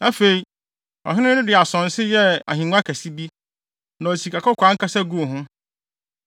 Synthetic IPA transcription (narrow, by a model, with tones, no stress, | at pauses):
a˦fe˨i˨ | ɔ̰˨ɦɪ˦nʊ̃˦nʊ̃˦dɪ˨a˨sɔ̃˨n̩˨sɪ˦jɛ˦a̰˨ɦĩ˨ŋʊ̃˦a˦kʰæ˨si˦bi˦ | nã˨si˨ka˨kʰɔ˦kʰʷã˦ŋ̩˦kʰa˦sɛ˦ɡu˦˨ɦʊ̃˦